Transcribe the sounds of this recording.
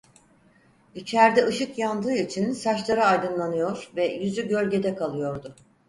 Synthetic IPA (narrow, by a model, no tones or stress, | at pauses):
it͡ʃʰæɾd̪ɛɯʃɯkjand̪ɯːit͡ʃʰinsat͡ʃlˠaɾɯajd̪ɯnlˠanɯjo̞ɾvɛjyzyɟø̞lʲɟe̞d̪ɛkʰalˠɯjo̞ɾd̪ʊ